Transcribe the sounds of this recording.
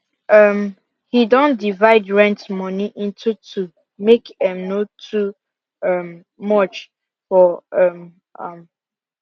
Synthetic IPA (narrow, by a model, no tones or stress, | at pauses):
ʌm | hidɔ̃ndivaɪdɹɛ̃ntmɔniʔĩntʰutʰu | mekɛ̃mnotʰu | ʌm | mɔt͡ʃ | fɔʌm | ʌm